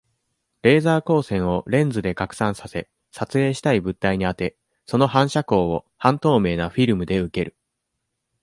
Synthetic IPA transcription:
ɾe̞ːzaːko̞ːsẽ̞ɰ̃o̞ɾẽ̞nd͡zɨd̪e̞kakɯ̥sãɰ̃sase̞ | sat͡sɨe̞ːɕi̥t̪aibɯ̟t̪ːaiɲ̟iat̪e̞ | so̞no̞ɦãɰ̃ɕako̞ːo | hãnt̪o̞ːme̞ːnaɸʲiɾɯ̟mɯ̟d̪e̞ɯ̟ke̞ɾɯ̟

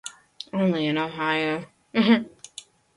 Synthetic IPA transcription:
õʊ̃nliɨ̃noʊɦaɪoʊ | m̩m̥m̩

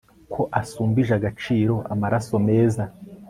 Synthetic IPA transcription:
kʰo̞ʔasuːmbiʒaɡat͡ʃiːɾo̞ʔamaɾaso̞me̞ːza

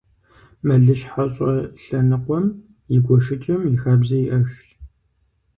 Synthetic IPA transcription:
mɐɮɨʃħaɕʼɐɬɐnɨqʷɔm | jɪɡʷɔʃɪt͡ʃʼɐmjɪxaːbzɐjiʔɐʃt

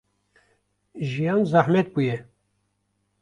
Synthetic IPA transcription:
ʒijɑːnzaħmɛt̪̚bujɛ

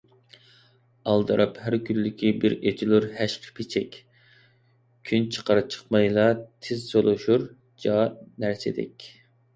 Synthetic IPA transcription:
ɑlˠd̪ɨɾʔɑphæɾkʲʰylːɪkʲʰibɪɾed͡ʒ̪ilˠuɾhæʃqʰə̥pʰet͡ʃʰɛkʲ | kʲʰynt͡ʃʰə̥qɑɾɨp̚t͡ʃʰə̥χmɑjlˠɑt̪ʰɪzsolˠuʃuɾ | d͡ʒɑnæɾsɪd̪ɛ̰kʲ

